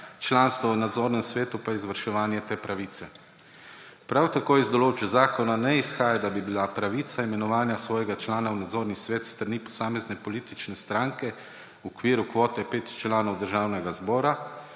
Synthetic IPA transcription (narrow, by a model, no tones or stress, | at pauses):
t͡ʃlaːnst̪ʋɔwnad̪zoːɾnɛmsʋeːt̪upaizʋəɾʃɛʋaːnjɛt̪eːpɾaʋiːt̪sɛ | pɾawt̪akoːizd̪ɔloːd͡ʒbzaːkɔnanɛisxaːjad̪abibilapɾaʋiːt̪saimɛnɔʋaːnjasʋɔːjɛɡat͡ʃlaːnawnad̪zoːɾnisʋeːt̪st̪ɾnipɔ̥saːmɛznɛpɔliːt̪it͡ʃnɛst̪ɾaŋkɛ | ɔkʋiːɾukʋoːt̪ɛpeːt̪t͡ʃlaːnɔwd̪əɾʒaːwnɛɡazbɔːɾa